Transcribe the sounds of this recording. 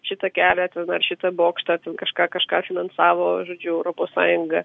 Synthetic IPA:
ʃʲɪt̪ɐkʲæːlʲɛt̪ʲɛnɐrʃʲɪt̪ɐboːkʃt̪ɑt̪ʲɛnkɐʃkɑːkɐʃkɑːfʲɪnɐnsɑːʋoːʒoːd͡ʒʲʊɛʊɾoːpoːssɑːjʊŋɡɐ

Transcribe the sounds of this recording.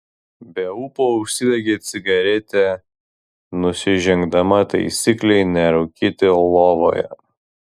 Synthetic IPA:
bʲɛupoʊʃʲsʲɪd̪ʲɛɡʲeːt̪sʲɪɡɐɾʲɛt̪ʲɛ | nʊsʲɪʒʲɛŋɡd̪ɐmɐt̪ɐ̰ɪsʲiːklʲɛɪnʲɛɾɐʊkʲɪt̪ʲɪlˠoːʋo̰ːjɛ̰

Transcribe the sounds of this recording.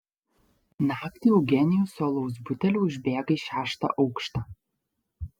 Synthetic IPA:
nɑːkt̪ʲiːɔʊɡʲɛnʲɪjuːˑsoːlˠɔʊs̬bʊt̪ʲɛlʲuːʊʒʲbʲeːɡɐiʃʲæːʃt̪ɑ̰ʔɒʊkʃt̪ɑː

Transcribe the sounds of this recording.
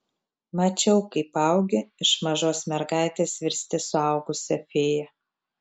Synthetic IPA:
mɐt͡ʃʲɛʊkɐɪpɐˑʊɡʲɪɪʃmɐʒoːsmʲɛɾɡɑˑɪt̪ʲeːsʋʲɪɾʲsʲt̪ʲɪsʊɐˑʊɡʊsʲɛfʲeːjɛ

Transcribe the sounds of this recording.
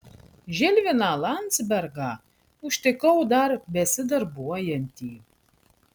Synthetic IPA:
ʒʲɪlʲʋʲɪnɑlˠɑnʲd̪sʲbʲɛɾɡɑ | ʊʃʲt̪ʲɪkɐʊd̪ɐɾbʲɛsʲɪd̪ɐɾbuɔjɛnʲt̪ʲiː

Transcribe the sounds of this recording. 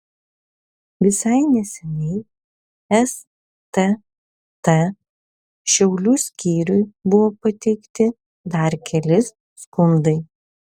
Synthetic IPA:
ʋʲɪsɑɪnʲɛsʲɛnʲɛɪ | ɛs | t̪ɛ | t̪ɛ | ʃʲɛʊlʲuːsʲkʲiːɾʲʊjbʊʋoːpɐt̪ʲɛɪkt̪ʲɪ | d̪ɐɾkʲɛlʲɪs | skʊnd̪ɐɪ

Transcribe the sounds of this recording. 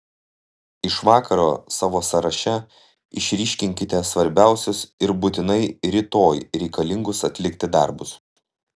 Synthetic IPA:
ɪʃʋɑːkʰɐɾoːsɑːʋoːsɐɾɐʃʲɛ | ɪʃʲɾʲɪːʃʲkʲɪŋʲkʲɪt̪ʲɛsʋɐɾʲbʲæˑʊsʲʊsɪɾbʊt̪ʲɪnɐɪɾʲɪt̪oːjɾʲɛɪkɐlʲɪŋɡʊsɐt̪ʲlʲɪkʲt̪ʲɪd̪ɑ̰ˑɾbʊs

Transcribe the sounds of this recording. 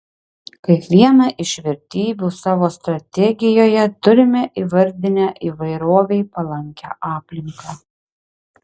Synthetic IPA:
kɐɪkʋʲiɛnɑːʔɪʃʲʋʲɛɾʲt̪ʲiːbʲuːsɑːʋoːst̪ɾɐt̪ʲɛɡʲɪjoːjɛt̪ʊɾʲɪmʲɛʔiːʋɐɾʲd̪ʲɪnʲæːʔiːʋɐɪɾoːʋʲɛɪpɐlˠɐŋʲkʲæ̰ːʔɑːpʲlʲɪŋkɑ

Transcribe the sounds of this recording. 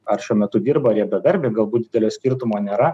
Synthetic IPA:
ɐɾʃʲuɔmʲɛt̪ʊd̪ʲiːɾbɐɐɾʲjɛbʲɛʋ̪ʲɐɾʲbʲeːɡɐlˠbuːt̪̚d̪ʲɪd̪ʲɛlʲoːsʲkʲiɾt̪ʊmoːnʲeːɾɐ

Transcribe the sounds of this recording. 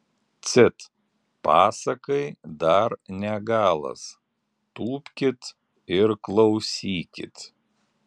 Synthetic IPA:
t̪sʲɪt̪ | pɑːsɐkɐɪd̪ɐɾnʲɛɡɑːlˠɐ̰s | t̪uːpʲkʲɪt̪ | ɪɾklˠɒʊsʲiːkʲɪ̰t̪

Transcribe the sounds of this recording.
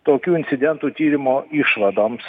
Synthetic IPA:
t̪oːkʲuːɪnʲt̪sʲɪd̪ʲɛnt̪uːt̪ʲiːɾʲɪmoːiʃʋɐd̪oːms

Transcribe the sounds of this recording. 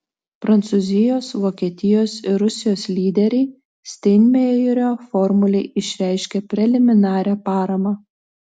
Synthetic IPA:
pɾɐnt̪sʊzʲɪjoːsʋoːkʲiːt̪ʲɪjoːsɪɾʊsʲɪjoːslʲiːd̪ʲɛɾʲɛɪ | sʲt̪ʲɛɪnʲmʲejʊɾʲoːfɔɾmʊlʲɛɪʔɪʃʲɾʲæɪʃʲkʲɛpʲɾʲɛlʲɪmʲɪnɑːɾʲæːpɑːɾɐmɑː

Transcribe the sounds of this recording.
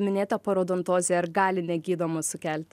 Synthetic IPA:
mʲɪnʲeːt̪ɐpɐɾoːd̪ont̪oːzʲɛɐɾɡɑːlʲɪnʲɛɡʲiːd̪oːmʊsʊkʲælʲt̪ʲ

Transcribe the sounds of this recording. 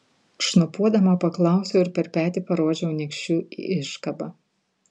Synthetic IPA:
ʃnɐpuɔd̪ɐmɐpɐklˠɑˑʊsʲoːɪɾpʲɛɾpʲæːt̪ʲiˑpɐɾoːd͡ʒʲɛʊnʲɛkʃʲuːḭɪʃkɐbɐ

